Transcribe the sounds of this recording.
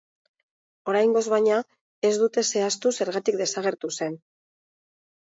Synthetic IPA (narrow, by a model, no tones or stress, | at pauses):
o̞ɾajŋɡo̞zβajɲa | e̞zd̪ut̪e̞se̞ast̪use̞ɾɣat̪ikd̪e̞saɣ̞e̞ɾt̪use̞n